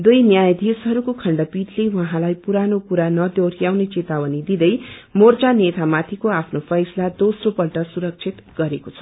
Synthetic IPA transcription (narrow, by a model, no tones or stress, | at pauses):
d̪ujnjajd̪esɦʌɾukokʰʌɳɖʌpiʈlewʌɦãlajpuɾanokuɾanʌd̪joɾjawnet͡set̪awʌnid̪id̪ʌjmort͡sanet̪amat̪ʰikoapʰnopʰʌjslad̪osropʌlʈʌsuɾʌk̚t͡sʰit̪ɡʌɾekot͡sʰʌ̥